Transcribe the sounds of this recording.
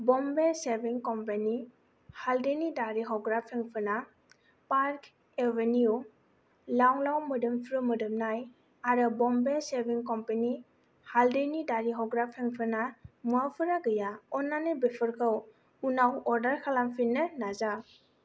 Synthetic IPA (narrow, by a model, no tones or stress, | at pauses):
bɔmbesebiŋkɔmpeni | haldenidaɾiɦɔɡɾapʰeŋpʰɯɾna | paɾkʰ | eveniu | lawlawmɯdɯmpʰɾumɯdɯmnaj | aɾɯbɔmbesebiŋkɔmpeni | haldenidaɾiɦɔwɡɾapʰeŋpʰɯnamuapʰɯɾaɡɯjaɔnːanebepʰɯɾkʰɯw | unawɔɾdaɾkʰalampʰinɯnaza